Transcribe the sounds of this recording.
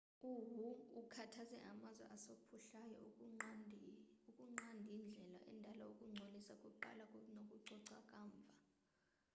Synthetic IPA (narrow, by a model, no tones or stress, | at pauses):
uɦuːkʰatʰazɛʔamazwɛ̰ʔasopʰuɬajɔaiukʼuŋ͡ǀandʱind͡ɮʱɛlaʔɛ̰ndʱalaokʼuŋ͡ǀʱolisakʼuǃa̰lakʼunokʼuǀɔǀakʼaːɱb̪vʱa